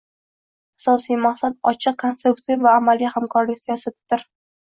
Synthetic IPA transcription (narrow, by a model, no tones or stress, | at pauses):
asɒsijmaqsad̪ɒt͡ʃʰɨq̚kʰonst̪ɾukt̪ɪvvaːmalːijhamkʰɒɾlɪkʲsijɒsat̪ɪd̪ɪɾ